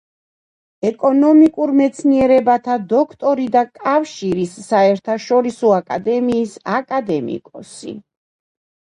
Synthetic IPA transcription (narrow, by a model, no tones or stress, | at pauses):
ɛkʼɔnɔmikʼuɾmɛt̪sʰniɛɾɛbat̪ʰad̪ɔkʰt̪ʼɔɾid̪akʼafʃiɾisːaɛɾt̪ʰaʃɔɾisɔakʼa̰d̪ɛmiːsakʼad̪ɛmḭkʼɔ̰sḭ